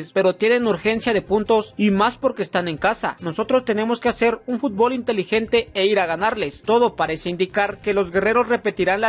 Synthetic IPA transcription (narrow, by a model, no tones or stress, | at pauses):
spe̞ɾo̞t̪je̞ne̞nuɾxe̞nsjaðe̞punt̪o̞simaspo̞ɾke̞ːst̪ane̞ŋkasa̰no̞so̞t̪ɾo̞st̪e̞ne̞mo̞ske̞ase̞ɾunfut̪̚bo̞lint̪e̞lixe̞nt̪e̞eiɾaɣanaɾle̞st̪o̞ðo̞paɾe̞seind̪ikaɾke̞lo̞zɡe̞re̞ɾo̞sre̞pe̞t̪iɾanla